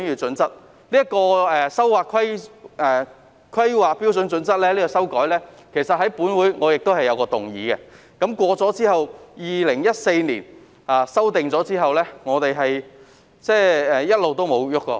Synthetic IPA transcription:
nyː˨˩t͡sɵ˨˥nt͡sɐ˥t̚ | liː˥ɐ˥kɔː˧ɛː˨sɐ˥wwaː˨kʰɐ˥jʔɛː˨˩ | kʰɐ˥jwaː˨k̚piː˥wsɵ˨˥nt͡sɵ˨˥nt͡sɐ˥t̚lɛː˥liː˥kɔ˧sɐ˥wkɔː˨˥jlɛː˥kʰe˨˩jsɐ˨t̚hɐ˨˥jpuː˨˥nwuː˨˥jŋɔː˨˧jɪ˨k̚t̪o˥hɐ˨jːɐ˨˧wkɔː˧t̪ʊ˨ŋjḭː˨˧kɛ̰˧ | kɐ˨˥mkʷɔː˧t͡sɔː˨˥t͡siː˥hɐ˨wjiː˨lɪ˨˩ŋjɐ˥t̚se˧jniː˨˩n | aː˨sɐ˥wt̪ɪ˨ŋt͡sɔː˨˥t͡siː˥ɦɐ˨wlɛː˥ŋɔː˨˧t̪e˨jɦɐ˨j | t͡sɛː˥˩ɛː˨jɐ˥t̚lo˨wt̪o˥wmo˨˧wjʊ˥kːɔ̰ː˧

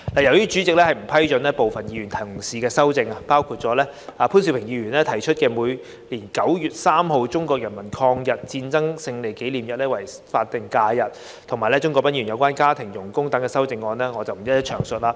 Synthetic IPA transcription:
laː˨˩jɐ˨˩wjyː˥t͡ʃy˨˥t͡sɪ˨k̚lɛː˥hɐ˨jm̩˨˩pʰɐ˥jt͡ʃɵ˨˥nlɛː˥po˨wfɐ˨njiː˨˧ɥyː˨˩nt̪ʰɐ˨˩˨siː˨kɛː˧sɐ˥wt͡sɪ˧ŋa˧paː˥wkʰuː˧t̚t͡sɔː˨˥lɛː˥aː˨˧pʰu˥ns̬i˧wpʰɪ˨˩ŋjiː˨˧jyː˨˩nlɛː˦˥t̪ʰɐ˨˩jt͡ʃʰɵ˥t̚kɛː˧muː˨˧j | liː˨˩nkɐ˨˥wjyː˨t̚saː˥mho˨˧wt͡sʊ˥ŋkɔː˧k̚jɐ˨˩nmɐ˨˩nkʰɔː˧ŋjɐ˨t̚t͡siː˧nt͡sɐ˥ŋsɪ˧ŋle˨˩jke˨˥jliː˨˩mjɐ˨t̚lɛː˥wɐ˨˩j | faː˧t̚t̪ɪ˨ŋkaː˧jɐ˨t̚ | t̪ʰʊ˨ŋmaː˨jlɛː˥t͡ʃʊ˥ŋkɔ˧pɐ˥ni˨˩jɐ˨˧wkʷaː˥nkaː˥t̪ʰɪ˨˩ŋjʊ˨˩ŋkʊ˥ŋt̪ɐ˨˥ŋkɛː˧sɐ˥wt͡sɪ˧ŋːɔː˧nlɛː˥ŋɔː˨˧t͡sɐ˨wm̩˨˩jɐ˥t̚jɐ˥t͡ʃʰœː˨˩ŋsɵ˨t̚laː˧˩

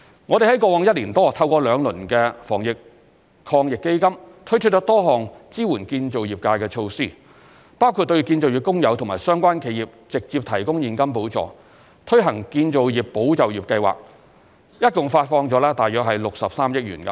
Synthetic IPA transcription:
ŋɔː˨˧e˨˩hɐ˨˥jkɔː˧wɔː˨˧ŋjɐ˥t̚liː˨˩nt̪ɔː˥t̪ʰɐ˧wkɔː˧lœː˨˧ŋlɵ˨˩nkɛ˧fɔ̰ː˨˩ŋjɪ˨k̚ | kʰɔː˧ŋjɪ˨kːe˥jkɐ˥mt̪ʰt͡ʃʰɵ˥t͡ʃɔ˥t̪ɔː˥ɦɔː˨˩ŋt͡siː˥wuː˨˩nkiː˧nt͡so˨wjiː˨˩p̚kaː˧jkɛː˧t͡ʃʰo˧wsiː˥˩ | paː˥wkʰu˧t̪̚ːɵ˧ɥjkiː˧nt͡so˨wjiː˨˩pkːʊ˥ŋjɐ˨˧wt̪ʰʊ˨˩ŋmaː˨˩jsœː˥ŋkʷwaː˥nkʰe˨˧jiː˨˩p̚t͡sɪ˨k̚t͡siː˧p̚t̪ʰɐ˨˩jkʊ˥ŋjiː˨nkɐ˥mpo˨˥wt͡sɔ̰ː˨˧ | t̪ʰɵ˥ɥɦɐ˨˩ŋkiː˧nt͡so˨wjiː˨˩p̚ːo˨˥wt͡sɐ˨wjiː˨p̚kɐ˧jwa̰ː˨k̚ | jɐ˥t̚kʊ˨˩ŋfaː˧t̚fɔː˧ŋt͡sɔː˨˥lɛː˥t̪aː˨jœː˨k̚ɦɐ˨jlʊ˨k̚sɐ˨p̚saː˥mjɪ˥k̚jyː˨˩nkɐ˧

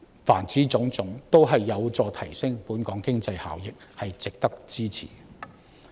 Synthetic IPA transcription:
faː˨˩nt͡siː˨˥t͡sʊ˨˧˥ŋt͡sʊ˨˥ŋt̪o˥wɦɐ˨jːɐ˨˧wt͡sɔː˧t̪ʰɐ˨˩jsɪ˥ŋpuː˨˥nkɔː˨˥ŋkɪ˥ŋt͡sɐ˧jha̰ː˨˩wjɪ˨k̚hɐ˨jt͡sɪ˨k̚t̪ɐ˥k̚t͡siː˥t͡sʰḭː˨˩

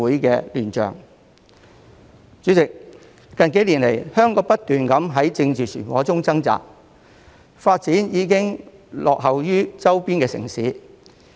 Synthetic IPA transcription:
uː˨˥jkɛː˧lyː˨˩nt͡ʃœ̰ː˨˩ŋ | t͡ʃyː˨˥t͡sɪ˨k̚ | kɐ˨nke˨˥jliː˨˩nle˨˩jhœː˥ŋkɔː˨˥pɐ˥t̚t̪yː˨nkɐ˨˥mɦɐ˨˥jt͡sɪ˧ŋt͡siː˨sʰyː˨˩nwɔ̰ː˨˥t͡sʊ˥ŋt͡sɐ˥ŋt͡sa̰ː˨k̚ | faː˧t̚t͡siː˨˥njiː˨˧kɪ˥ŋlɔː˨k̚ɦɐ˨wjyː˥t͡sɐ˥wpiː˥nkɛː˧sɪ̰˨˩ŋsiː˨˥

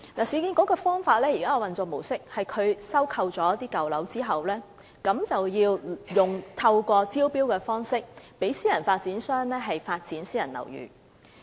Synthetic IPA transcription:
laː˨˩siː˨˧ki˧nkɔː˨˥kɔː˧fɔː˥ŋfaː˧t̚lɛː˥jiː˨˩kaː˦˥ɔː˨˧wɐ˨nt͡sʊ˨k̚mo˨˩wsɪ˥k̚hɐ˨jkʰɵ˨˧ɥsɐ˥wkʰɐ˧wt͡sɔː˨˦˥t̪̬iː˥kɐ˨wlɐ˨˥wt͡siː˥ɦɐ˨wlɛː˥ | kɐ˨˥mt͡sɐ˨wjiː˧wjʊ˨˩ŋt̪ʰɐ˧wkʷɔː˧t͡siː˥wpiː˥wkɛː˧fɔː˥ŋsɪ˥k̚pe˨˥jsiː˥jɐ˨˩nfaː˧t̚t͡siː˨˥nsœː˥ŋlɛː˥ɦɐ˨jfaː˧t̚t͡siː˨˥nsiː˥jɐ˨˩nlɐ̰˨˩wjy̰ː˨˩

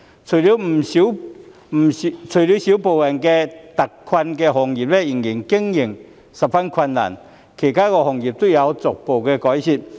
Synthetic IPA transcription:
t͡sʰo˨˩li˨˧˥wm̩˨˩si˨˦w | m̩˨˩˧t͡sʰɵ˨˩li˨˧˥wsi˨˥wpo˨˩wjɛ˨˩nkɛː˧t̪ɐ˨˩kkʰwɐ˧nkɛ˧ɦɔ˨˩ŋji˨˩p̚lɛ˦˥ji˨˩ŋji˨˩ŋkɪ˥ŋjɪ˨˩ŋ | sɐ˨p̚fɐ˥nkʰwɐ˧nːa̰˨˩n | kʰe˨˩jkaː˥kɔ˧hɔ˨˩ŋji˨˩p̚t̪o˥jɐ˨˧wt͡sɔ˨k̚po˨wkɛː˧kɔː˨˦jɕi˨˧˩p̚

